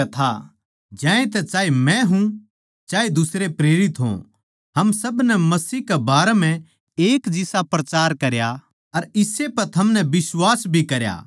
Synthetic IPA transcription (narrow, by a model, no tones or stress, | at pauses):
t̪ʰa̰ | d͡ʒãːẽt̪ɛt͡ʃaːemɛ̃ɦũ | t͡ʃaːed̪ʊsɾepɾeːɾɪt̪ɦõ̰ | ɦɐmsɐbnɛmɐsiːkɛbaːɾɛm̤ɛ̃ | eːkd͡ʒɪsapɾɐt͡ʃaːɾkɐɾja | ɐɾɪsepɐɾt̪ʰɐmnɛbɪswaːsbʱikɐɾja̰ː